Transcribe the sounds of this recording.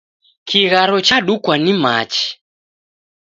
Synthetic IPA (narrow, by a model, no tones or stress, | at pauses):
kʰiɣaɾɔt͡ʃaɗukwanimat͡ʃi̥